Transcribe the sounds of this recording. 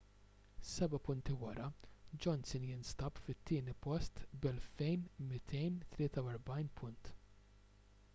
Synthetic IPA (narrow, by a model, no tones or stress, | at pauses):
sɛbɐpʊnt̪ɪwɐɾɐd͡ʒɔnsɪnjɪnst̪ɐpfɪt̪ːɪːnɪpɔst̪bɛlfɛjnmɪt̪ʰɛjnt̪lɪːt̪ɐwɛɾbɐjnpʰʊnt̪